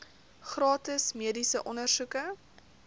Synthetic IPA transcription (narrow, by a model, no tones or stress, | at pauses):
χrɑːtəsmiədisəʔɔnərsukə